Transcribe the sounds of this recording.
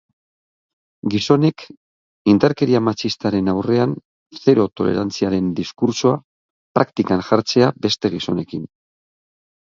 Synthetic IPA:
ɡiso̞ne̞k | ind̪aɾke̞ɾiamat͡ʃist̪aɾe̞nawre̞an | θe̞ɾo̞t̪o̞le̞̰ɾant͡siaɾe̞nd̪iskuɾsoa | pɾakt̪ikanʝaɾt͡se̞abe̞st̪e̞ɣ̞iso̞ne̞kin

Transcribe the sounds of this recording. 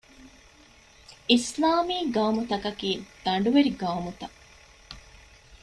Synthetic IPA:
islaːmiːɡaːmut̪ɐkɐkiːd̪̥ɐɳɖuʋeɾiɡaːmut̪ɐ

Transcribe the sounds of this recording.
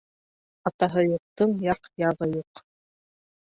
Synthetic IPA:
ɑt̪ɑɦɤjuq̚t̪ɤɴjɑqjɑʁɤjuq

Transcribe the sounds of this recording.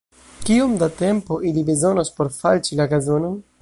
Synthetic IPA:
kiomdate̞mpo̞ʔilibe̞zo̞nospo̞ɾfalt͡ʃilaɡazo̞no̞n

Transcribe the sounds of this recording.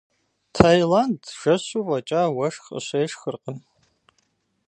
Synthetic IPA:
tʰajlandʒ̥ɐɕurʼɐt͡ʃʼaːwɐʂxə̰ɕʷeːʂxərqən

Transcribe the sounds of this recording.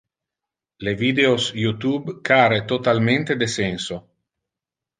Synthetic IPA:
levid̪eosjut̪ubkaɾet̪ot̪alment̪ed̪esɛnso

